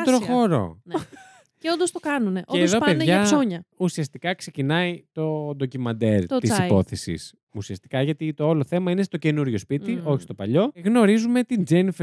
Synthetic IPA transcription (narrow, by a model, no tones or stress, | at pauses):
t̪ɾoxo̞ɾo̞̰ | ceond̪ost̪okɐnuneʔoeːððo̞ɐpeðneʝɐɐsoɲɐusiɐst̪ikɐkse̞cinɐit̪o̞d̪o̞cimɐnd̪e̞ɾt̪isipo̞θesḭs | usiɐst̪i̥kɐʝɐt̪it̪ooloθe̞mɐine̞st̪oce̞nuɾʝo̞spit̪io̞çi̥st̪o̞pɐʎo̞ɣno̞ɾizume̞t̪ind͡ʒenf